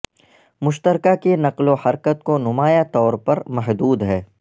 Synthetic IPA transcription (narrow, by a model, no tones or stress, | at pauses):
mʊʃt̪əɾkakenɐqlohɐɾkət̪̚konʊmaːjat̪ɔːɾpɐɾmɐɦd̪uːd̪ɦɛː